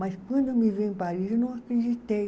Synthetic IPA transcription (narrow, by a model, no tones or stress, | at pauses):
ɐskwɐ̃nd̪ʊmiviẽpaɾizewnɐ̃w̃akɾed͡ʒit̪ej